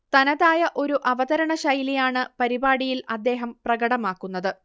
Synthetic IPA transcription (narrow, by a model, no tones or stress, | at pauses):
t̪ɐnɐðaːjɐʔo̞ɾuʔɐʋɐðɐɾɐɳɐɕɐjlijaːɳɨpɐɾibaːɽijilɐd̪ːe̞ːɦɐmprɐɡɐɽɐmaːkːunːɐðɨ